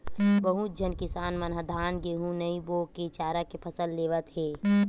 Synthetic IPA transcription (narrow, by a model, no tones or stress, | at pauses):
bəɦut̪̚d͡ʒʱənkɪsaːnmənɦəd̪ʱaːnɡeɦũnəĩboːket͡ʃaːɾakepʰəsəlːeːʋət̪ɦeː